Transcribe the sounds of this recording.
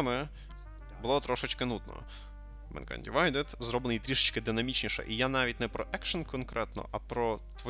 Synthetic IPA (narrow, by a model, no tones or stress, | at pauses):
mɪ | bʊlˠɔt̪ɾɔʃɪt͡ʃkɪnud̪nɔ̰ | mɛ̰nkɐ̰nʲdʲiʋɑjd̪ɪt̪zɾɔblʲˠnɪjt̪ɾʲiʃɪt͡ʃkɪd̪ɪnɐmʲit͡ʃnʲiʃɛ̰ʔijanɑʋʲit̚ʲnɛpɾɔʔɛkʃɐnkɔnkɾʔɛt̪nɔ̰ʔɐpɾɔt̪ʋɔ